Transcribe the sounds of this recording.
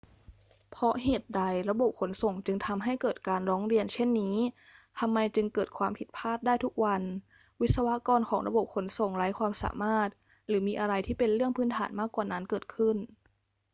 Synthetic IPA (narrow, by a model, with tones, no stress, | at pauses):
pʰɔ˦˥ɦeː˨˩t̪̚da˧˩jɾa˧bo˨˩p̚kʰo˩˦nso˨˩ŋt͡ɕɯ˧ŋt̪ʰa˧mɦa˥˩jkɤː˨˩t̪̚kaː˧nɾɔː˦˥ŋɾi˧ənt͡ɕʰe˥˩nːiː˦˥ | t̪ʰa˧mːa˧jt͡ɕɯ˧ŋkɤː˨˩t̪̚kʰwaː˧mpʰi˨˩t̪̚pʰaː˥˩t̪̚daː˥˩jt̪u˦˥k̚wa˧n | wi˦˥t̪̚sa˧wa˦˥kɔː˧nkʰɔː˩˦ŋɾa̰˧bo˨˩p̚kʰo˩˦nso˨˩ŋɾa˦˥jkʰwaː˧msa̰ː˩˦maː˥˩t̪̚ | ɾɯː˩˦miː˧ʔa˧ɾa˧jt̪ʰiː˥˩pe˧nɾɯ˥˩əŋpʰɯː˦˥nt̪ʰa̰ː˩˦nmaː˥˩kːwaː˨˩na˦˥nkɤː˨˩t̪̚kʰɯ˥˩n